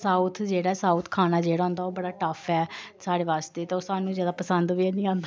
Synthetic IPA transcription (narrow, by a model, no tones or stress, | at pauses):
saːut̪ʰd͡ʒeːɽaːsaːut̪ʰkʰaːnaːd͡ʒeːɽaːɦʊ̃nd̪aːoːbəɽaːʈəfʰɛːsaːɽeːʋaːst̪eːt̪ːoːsaːnũːzjaːd̪aːpəsənd̪ʋiːɛnĩːãːnd̪a